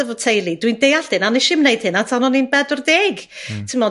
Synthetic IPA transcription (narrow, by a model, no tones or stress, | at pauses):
əvɔtʰejlˠidwindejaɬd̥ɪnanɪʃɪmnejd̥hɨnatʰanɔninbɛdɔrdeːɡtʰɪmɔ